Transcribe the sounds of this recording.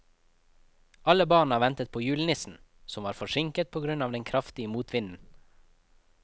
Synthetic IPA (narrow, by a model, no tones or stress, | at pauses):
ʔɑləbɑːɳ̩ɑːʋɛnt̪ət̪̚pʰoːjʉːlnɪsn̩ | sɔmʋɑːɾfɔʃɪŋkət̪̚pʰoːɡɾʉnɑːʋd̪ɛnkʰɾɑft̪ɪəmuːt̪ʰʋɪnn̩